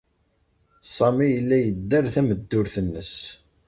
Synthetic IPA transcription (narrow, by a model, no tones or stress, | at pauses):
sˤɑmijəlːæjəd̪ːəɾθæməd̪ːʊɾθənːəs